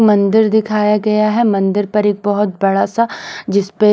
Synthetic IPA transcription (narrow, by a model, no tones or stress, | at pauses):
mɐ̃nd̪ɪɾd̪ɪkʰaːjaɡɐjaɦɛmɐ̃nd̪ɪɾpɐɾeːk̚bɔɦʊt̪̚bɐɽasad͡ʒɪspe